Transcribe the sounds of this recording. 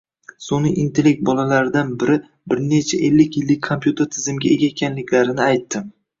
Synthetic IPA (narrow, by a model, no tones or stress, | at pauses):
sonɪʔint̪ʰelek̚t̪̚bɒlalaɾɪd̪anbɪɾɪ | bɪɾne̞t͡ʃʰaʔelːɪkʲjɪlːɪk̚ʲʰompjut̪ʰe̞ɾt̪ʰɪzɪmɡʲae̞ɡʲaekʲʰanlɪkʲʰlaɾɪnɪajt̪ːɪm